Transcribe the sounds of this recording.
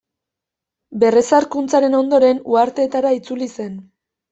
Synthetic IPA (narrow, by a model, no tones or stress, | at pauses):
be̞re̞saɾkunt͡saɾe̞no̞nd̪o̞ɾe̞nuaɾt̪e̞ːt̪aɾait͡sulise̞n